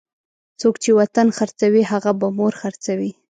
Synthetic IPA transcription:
t͡sokt͡ʃewat̪anxaɾt͡sawiɦaɣabamoɾxaɾt͡sawi

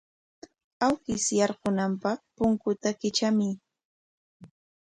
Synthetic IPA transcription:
awkɪsjɑɾɢʊnampɑχpʊŋkʊt̪akɪt͡ʃamɪ

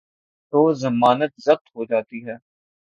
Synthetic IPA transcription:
t̪oːzɐmaːnət̪zɐq̚t̪ɦod͡ʒaːt̪iɦɛː

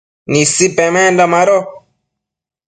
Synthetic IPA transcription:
nisipɛmɛ̃ndamaɾo

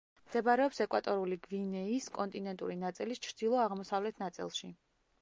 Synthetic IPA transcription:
md̪̥ɛbaɾɛɔpsɛkʼwat̪ʼɔɾuliɡvinɛiskʼɔnt̪ʼinɛnt̪ʼuɾinat̪sʼilist͡ʃʰɾd̪̥ilˠɔaʁmɔsavlɛt̪ʰnat̪sʼḭlˠʃi

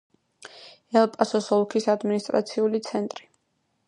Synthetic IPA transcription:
ɛlˠpʼasɔsɔlˠkʰisad̪minist̪ʼɾa̰t̪sʰiulit̪sʰɛnt̪ʼɾi

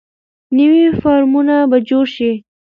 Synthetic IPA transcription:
nəwifɑɾmunabad͡ʒoɾʃi

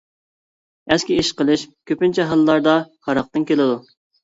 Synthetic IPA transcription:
ɛskʲiiʃqəlˠɨʃkʲʰøpɪnt͡ʃʰɛɦɑlˠːɑɾd̪ɑhɑɾɑq̚t̪ɨnkʲelɪd̪u

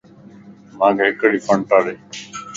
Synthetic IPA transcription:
mãːkʰeːɦɪkɽiːfəɳʈaːɽeː

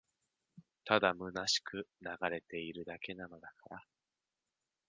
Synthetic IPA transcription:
t̪ad̪amɯ̟naɕi̥kɯ̟naɡaɾe̞t̪e̞iɾɯ̟d̪ake̞nano̞d̪akaɾa

